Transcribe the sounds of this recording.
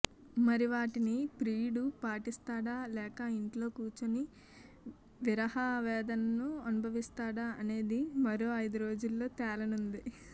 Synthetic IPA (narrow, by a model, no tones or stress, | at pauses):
mɐɾiʋaːʈinipɾiːɽupaːʈist̪aːɽaːlɛːkɐiɳʈlo̞ːkuːt͡ʃɐni | ʋiɾɐhaʋɛːd̪ɐnɐnuɐnubʱɐʋist̪aːɽaːɐne̞ːd̪imɐɾo̞ːɐjd̪uɾo̞ːd͡ʒulːo̞ːt̪ɛːlɐnund̪i